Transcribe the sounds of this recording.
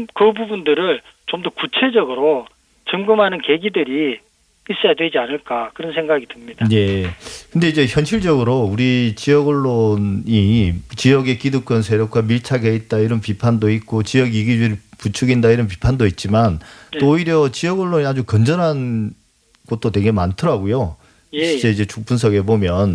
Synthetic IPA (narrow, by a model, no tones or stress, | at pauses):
kɯbubundɯɾɯɭ | t͡ɕomdʌkut͡ɕʰe̞d͡ʑʌɡɯɾo | t͡ɕɯŋɡɯmɦanɯnke̞ɡidɯɾi | is͈ʌjadwed͡ʑianɯɭk͈akɯɾʌns̬ʰeŋɡaɡidɯmɲidaje̞kɯnde̞id͡ʑe̞çjʌnɕʰiɭd͡ʑʌɡɯɾouɾit͡ɕijʌɡʌɭːonit͡ɕijʌɡe̞k͈iduk͈ʌns̬ʰeɾjok͈wamiɭt͡ɕʰaɡeit̚t͈aiɾʌnpipʰandoit̚k͈ot͡ɕijʌɡiɡid͡ʑiɾiput͡ɕʰuɡindaiɾʌnp̬i̥pʰandoit̚t͡ɕ͈imant͈oːiɾjʌt͡ɕijʌɡʌɭːoɲiad͡ʑukʌnd͡ʑʌnɦan | ɡ̥ʌt̚t͈otwe̞ɡe̞mantʰɯɾaɡojo | d͡ʑeid͡ʑe̞t͡ɕuk̚p͈uns̬ʰʌɡe̞bomjʌn